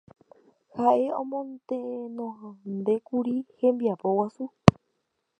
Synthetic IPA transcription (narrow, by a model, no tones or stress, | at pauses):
haʔe̞õmõnt̪ẽenõnd̪e̞kuɾihẽmbiapowasu